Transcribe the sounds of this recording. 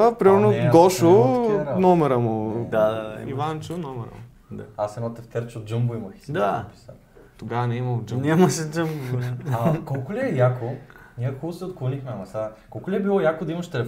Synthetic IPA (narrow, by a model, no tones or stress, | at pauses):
əpɾimɛɾnoɡɔʃonɔmɛɾəmʊd̪ad̪ad̪a̰ivant͡ʃonɔmɛɾə̰mʊ | d̪a̰asɛnɔt̪ɛft̪ɛɾt͡ʃod̪̚d͡ʒəmbuimɐxi̥sd̪api̥sə̰n | t̪oɡavɐnɛimɐd͡ʒnʲaimɐʃɛd͡ʒəmbɐkɔlˠkʊliɛjakonʲiɛxubsɛot̪̚klˠonixmɛnɐmɛsakɔlˠkʊlʲiɛbilˠɔjakod̪ɐimɐʃt̪ɛlɛ